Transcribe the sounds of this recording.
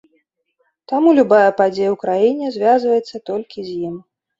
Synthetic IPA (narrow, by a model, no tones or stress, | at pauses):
t̪amulʲubajɐpad͡zʲejɐwkɾajinʲɛzʲvʲazvɐjɛt̪sːɐt̪ɔlʲkʲizʲjim